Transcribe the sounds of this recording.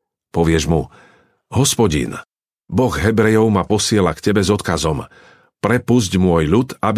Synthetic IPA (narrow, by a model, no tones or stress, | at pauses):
pɔʋɪɛʒmṵ | ɦɔspɔɟḭn | bɔɣɦɛbɾɛjɔʊmapɔsɪɛlakcɛbɛzɔt̪kazɔm | pɾɛpuzɟmʊɔjʎut̪ab